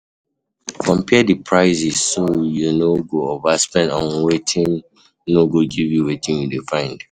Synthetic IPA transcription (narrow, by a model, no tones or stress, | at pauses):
kɔ̃mpʰɛdipʰɹaɪzisːojunoɡoovaspɛ̃ndɔ̃nwetʰĩn | noɡoɡivjuwetĩnjudefãɪ̃nd̥